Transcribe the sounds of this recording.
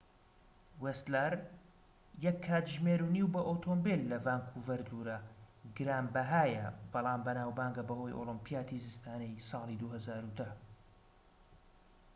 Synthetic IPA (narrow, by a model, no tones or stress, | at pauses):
west̪laɾ | jɛkʰːaːt̪ʒmeɾuniwbɐʔot̪ʰombelːɐvaːŋkʰuvɐɾd̪uɾɐɡɨɾaːmbɐɦaːjɐ̰b̥ɑlˠɑːmbɐnaːwbaːŋɡɐbɐho̞ːjo̰lɨmpijaːt̪ʰizɨst̪ʰaːnɛjsɑːlˠid̪uhɐzaːɾud̪ɐ